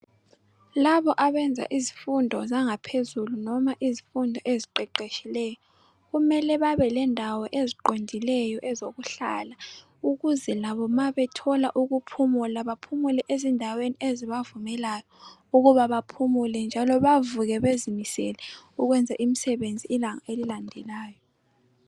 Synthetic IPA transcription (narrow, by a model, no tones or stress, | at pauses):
laβɔʔaβɛnd͡zʱa̰ʔizifundʱɔzaŋapʰezulunɔmaʔizifundʱɔʔeziǃɛǃeʃilɛjɔ | ɣumɛlɛβaβɛlɛndʱawɔʔeziǃondʱilɛjɔʔɛzoɣuɬa̰la | uɣuzɛlaβɔmaβɛtʰɔla̰ʔuɣupʰumulaβapʰumulɛʔezindʱawenieziβavumɛlajɔ | uɣuβaβapʰumulɛnd͡ʒʱalɔβavuɣɛβezimisɛ̰lɛuɣwɛnd͡zʱaʔimisɛβend͡zʱiːlaŋaʔelilandʱɛlaːjɔ